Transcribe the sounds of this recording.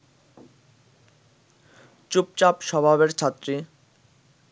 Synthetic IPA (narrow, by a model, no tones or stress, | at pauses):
t͡ɕup̚t͡ɕapʃɔbʱabeɾt͡ɕʰat̪ːɾi